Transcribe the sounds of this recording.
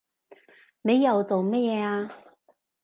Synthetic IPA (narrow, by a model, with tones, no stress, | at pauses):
ne˨˧jːɐ˨wt͡so˨wmɛː˥jɛː˨˧aː˧